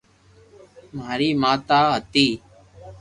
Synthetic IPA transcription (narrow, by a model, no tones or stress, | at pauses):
maːɾiːmaːt̪aːɦət̪iː